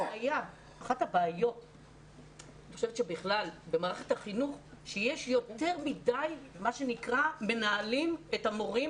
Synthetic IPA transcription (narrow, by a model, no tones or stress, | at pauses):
aja | aχathabaːjo̞t | nniχoʃevetʃebiχlalbe̞maːʁeχe̥thaχinuχʃejeʃjo̞tte̞ʁmidajmaʃe̞nikʁame̞naːlimetamo̞ʁi